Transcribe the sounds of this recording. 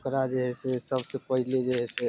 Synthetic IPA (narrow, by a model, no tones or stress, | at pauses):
kɾad͡ʒeɦɛsesəbsepəɦiled͡ʒeɦɛse